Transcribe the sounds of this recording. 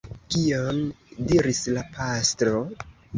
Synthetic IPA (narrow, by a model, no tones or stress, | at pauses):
kiondiɾislapʰastɾo̞